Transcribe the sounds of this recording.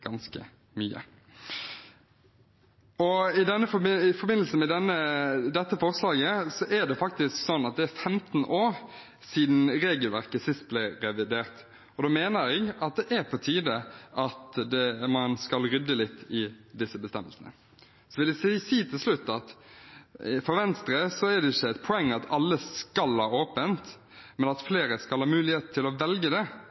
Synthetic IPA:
ɡ̥ɑnskə̰ | myːə̰ | ɔɪd̪ɛnːəfɔɪfɔbɪnəl̩səmɛd̪ɛnːəd̪ɛt̪ːəfɔʁslɑːɡəsɔʔæɖ̪ɛfɑk̚t̪ɪsksɔnːɑt̪̚d̪ɛæɾfɛmt̪n̩ʔoːɾ | siːd̪n̩ɾeːɡəlʋæɾkəsɪst̪̚blɪɾɛʋɪd̪eːɾt̪ | ɔd̪oːmeːnəɾɛɡɑt̪̚d̪ɛʔæɾpʰɔt̪ʰiːd̪əʔɑt̪d̪ɛmɑnskɑlɾʏd̪ːəlɪt̪ːɪd̪ɪsːəbəst̪ɛmːəlsənə̰ | sɔʋɪlɪsiːt̪ʰɪlslʉt̪ːɑt̪ | fɔɾʋɛnst̪ɾəsɔɛd̪ɛɪçːəæɪt̪̚pʰʊɛŋːɑt̪ʰɑlːəskɑlhɑːoːpənt̪ | mɛnɑt̪fleːɾəskɑlhɑːmʉːlɪheːt̪̚t̪ʰːɪlɔʋɛlɡəd̪ɛ

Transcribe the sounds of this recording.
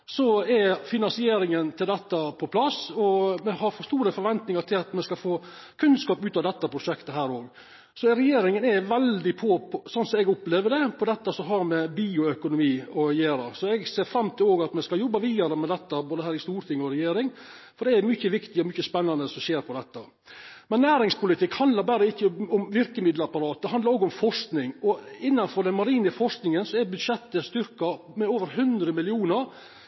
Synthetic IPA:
sɔɛfɪnɑnsɪeːɾɪŋənt̪ʰɪld̪ɛt̪ːɑpʰɔpʰlɑsɔmɛhɑɾfɔst̪uːɾəfɔɾʋɛnt̪nɪŋɑɾʈ̪ʰɪlɑt̪mɛskɑfoː | kʰʉnskɑːpʉːt̪ɑʋd̪ɛt̪ːəpʰɾʊʂɛkt̪əɦæːɾoːɡ | sɔɛɾɛjeːɾɪŋənɛʋɛld̪ɪpʰɔsɔnsɔmɛɡʊpleːʋəɖ̪ɛpʰɔd̪ɛt̪ːɑsɔɦɑɾmɛbiːʊœkʊnʊmiːɔjeːɾɑsɔɛɡseːɾfɾɑmːt̪ʰɪloːɡɑt̪mɛskɑljɔbːɑʋiːd̪ɑɾəmɛd̪ɛt̪ːɑboːd̪əhæːɾɪst̪uːɾt̪ʰɪŋːɔɾɛjeːɾɪŋ | fɔɖɛæɾmʏçːəʋɪkt̪ɪɔmʏçːəspɛnːɑnd̪əsɔmɕeːɾpʰɔd̪ɛt̪ːə | mɛnːæːɾɪŋspʊlɪt̪ɪkhɑnd̪lɑɾbæːɾəɪçːəɔmʋɪɾkəmɪd̪ləɑpɑɾɑːt̪̚d̪ɛhɑnd̪ɑɾoːɡʊmfɔʂknɪŋɔɪnːɑnfɔɾd̪ɛnmɑɾiːnəfɔʂknɪŋənsɔɛɾbʉd̪ʂɛt̪ːəst̪ʏɾkɑ | mɛoːʋəɾɦʉnd̪ɾəmɪlɪuːnəɾ

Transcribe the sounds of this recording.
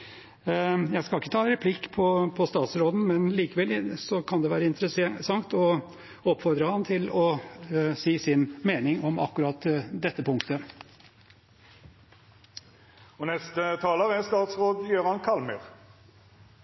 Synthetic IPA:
jæɪɡskɑlɪkːət̪ʰɑːɾɛpʰlɪkːpʰɔpʰɔst̪ɑːt̪sɾoːd̪n̩mɛnliːkəʋɛlsɔkʰɑnd̪ɛʋæːɾəɪnt̪əɾəssɑŋt̪ɔ | ɔpːfɔɾd̪ɾəhɑnt̪ʰɪlɔ | siːsɪnmeːnɪŋɔmɑ̰kːʉɾɑt̪d̪ɛt̪ːəpʰʊŋkt̪ə | ɔnɛst̪ət̪ʰɑːləʁɛst̪ɑːt̪sʁoːd̪jøːʁɑnkʰɑlmə̰ʁ

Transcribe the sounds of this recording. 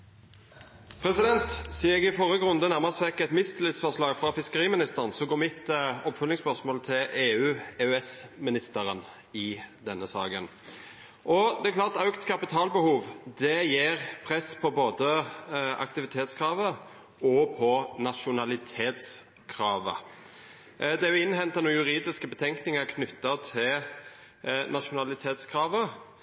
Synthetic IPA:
pʰɾɛsɪd̪ɛnt̪siːəɛɡɪfɔɾəɡʁʉnd̪ənæʁməsfɛkːɛt̪mɪst̪lɪsfɔʁʂlɑːɡfʁɑfɪskəɾiːmɪnɪst̪əʁnsɔɡoːmɪt̪ːɔpfœlɪŋspœsmoːlt̪ʰɪleːʉːeʉɛsmɪnɪst̪əɾən | ɪd̪ɛnːəsɑ̰ːɡən | ʔɔd̪ɛɛkʰlɑːʁt̪ɑʉkt̪kʰɑpɪt̪ʰɑːlbəhuːʋd̪ɛjiːʁpʰʁɛsːpʰɔboːd̪əʔɑ̰kt̪ɪʋɪt̪ʰeːt̪skʰɾɑːʋə | ɔpʰɔnɑʃʊnɑlɪt̪ʰeːt̪s | kʰɾɑːʋə̰ | d̪ɛæɾjʊɪnːhɛnt̪ːɑnuːjʉʁiːd̪ɪskəbət̪ʰɛŋknɪŋəkʰnʏt̪ːət̪ʰɪl | nɑʃʊnɑlɪt̪ʰeːt̪skʰɾɑːʋə

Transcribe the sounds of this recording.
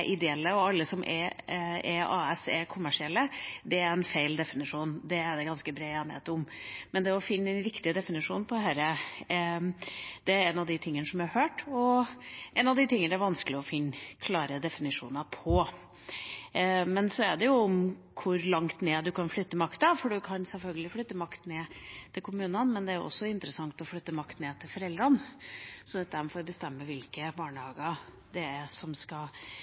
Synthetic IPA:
ʔɪd̪ɛɛlːəɔɑlːəsɔmʔɛ̰ | ɛɑːɛsɛɾkʰʊmːæʂɪɛlːəd̪ɛæɾɛnfeɪld̪ɛfɪnɪʂuːnd̪ɛæɖ̪ɛɡɑnskəbɾeːæməɛt̪ːəʊmmɛnd̪ɛɔfɪnːəɛnɾɪkt̪ɪd̪ɛfɪnɪʂuːnpʰɔd̪ɛɦæɾə | d̪̥ɛæɾɛnɑʋd̪ɪt̪ʰɪŋːənəsɔmjæɑɾhøːʈɔʔɛnɑʋd̪ɪt̪ʰɪŋːənɛæɾʋɑnsklɪɔfɪnːkʰlɑːɾəd̪ɛfɪnɪʂṵːnəpʰɔ | mɛnsɔæɖɛjʊɔmkʰʊɾlɑŋt̪neːd̪ʉkʰɑnflʏt̪ːəmɑkt̪ɑfɔɖʉkʰɑnsɛlfœlɡəlɪflʏt̪ːəmɑkt̪neːt̪ʰɪlkʰʊmʉːnənmɛnd̪ɛæɾjʊ̰ɔ̰sːɔɪnt̪ɾəsɑŋt̪ɔflʏt̪ːəmɑkt̪neːt̪ʰɪlfɔɾɛld̪ɾənsɔnət̪̚d̪æɾmfɔɾbəst̪ɛmːəʋɪlkəbɑːɳəhɑːɡəɾ | d̪ɛæsɔmskɑl

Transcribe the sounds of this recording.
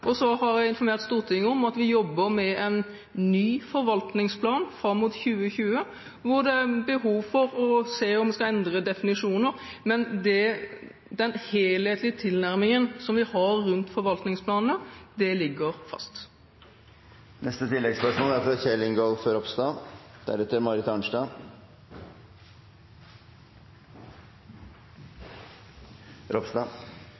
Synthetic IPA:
ʔɔsɔhɑɾjæɪɪnfɔɾmeːʁt̪st̪uːʁt̪ʰɪŋːəɔmɑt̪ʋɪjɔbːəɾmɛʔɛn | nyːfɔɾʋɑlt̪nɪŋspʰlɑːnfɾɑmːuːt̪çʉːəçʉːə | ʋʊd̪ɛæbəɦuːʋfɔɾɔseːɔmʋɛskɑɛnd̪ɾəd̪ɛfɪnɪʂuːnəɾmɛnd̪ɛ | d̪ɛnheːlheːt̪lɪət̪ʰɪlnæɾmɪŋənsɔmʋɪhɑɾːʉnt̪fɔɾʋɑlt̪nɪŋspʰlɑːnn̩əd̪ɛlɪɡːəɾfɑ̰st̪ | nɛst̪ət̪ʰɪlːɛɡspœʂmoːlæɾfɾɑçɛlɪŋɡoːlfɾɔpst̪ɑd̪̥æ̰ɾɛt̪ːəɾmɑɾɪt̪ɑɳʂɖɑː | ɾɔpsd̪ɑ

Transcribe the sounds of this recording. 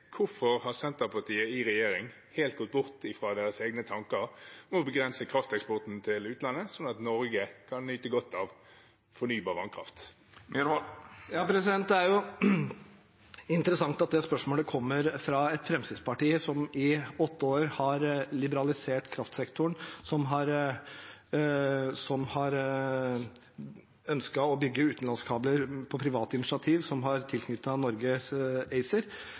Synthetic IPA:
kʰʊfɔʁhɑsɛnt̪əpʰɑt̪ʰiːəɪɾɛjeːɾɪŋ | heːlt̪̚ɡɔt̪̚bʊʁt̪ɪfɾɑd̪eːɾəseːɡnət̪ʰɑŋkəɾɔmɔbəɡɾɛnsəkʰɾɑft̪ɛkspɔʁt̪n̩t̪ʰɪlʉːt̪lɑnːəsɔnːɑt̪nɔɾɡəkʰɑnnyːt̪əɡɔt̪ʰːɑʋ | fɔnyːbɑːʁʋɑnkʰɾɑ̰ft̪ | jɑːpʰɾɛsɪd̪ɛnt̪̚d̪æɾjʊ | ɪnt̪əɾəsɑŋt̪ɑt̪̚d̪ɛspœʂmoːləkʰɔmːəɾfɾɑɛt̪fɾɛmsɪd̪spɑʈiːəsɔmɪɔt̪ːəoːɾhɑɾlɪbəɾɑlɪseːʈkʰɾɑft̪sɛkt̪ʰʊɳsɔmɦɑɾ | sɔmhɑɾ | œnskɑɔbʏɡːəʉːt̪n̩lɑnskʰɑːbləɾpʰɔpʰɾɪʋɑːt̪əɪnɪʂɑt̪ʰiːʋsɔmɦɑɾt̪ʰɪlkʰnʏt̪ːɑnɔɾɡəɛɪsəɾ

